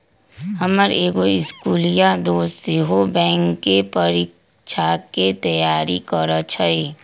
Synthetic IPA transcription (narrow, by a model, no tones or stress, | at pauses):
ɦɐməɾeːɡoɪskuːlijad̪oːsseɦobɛ̃ːŋkːepəɾik | ʃʰaket̪ɐjaːɾikəɾət͡ʃʰəe